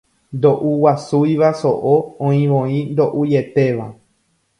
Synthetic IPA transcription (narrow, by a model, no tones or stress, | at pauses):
nd̪o̞ʔuwasujʋaso̞̰ʔoõĩʋõĩnd̪o̞ʔuje̞t̪e̞ʋa̰